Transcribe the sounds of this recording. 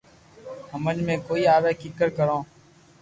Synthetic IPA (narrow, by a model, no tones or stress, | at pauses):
ɦəmənmẽːkoːiːaːʋɛːkɪkəɾkəɾõː